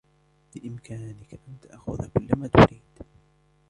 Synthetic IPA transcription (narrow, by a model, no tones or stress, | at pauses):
bɪʔɪmkʰaːnɪkaʔant̪aʔxʊ̰ðakʊlːamaːt̪ʊɾʔiːd̪̥